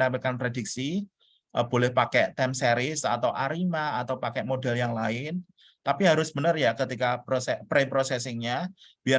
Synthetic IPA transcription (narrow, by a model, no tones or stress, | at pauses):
napikanpɾedik̚si | ʔəb̥olɛhpakɛʔt̪ɛmseɾɪsa̰t̪awʔaɾimaːt̪awpakɛʔmodɛljaŋlaɪn | t̪apiɦaɾʊsb̥ənərjakət̪ikaposɛpɾepɾosɛsɪŋɲa | b̥ia